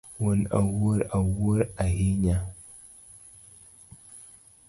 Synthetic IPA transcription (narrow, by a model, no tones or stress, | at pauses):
wuna̰wuɾawuɾaɦiɲa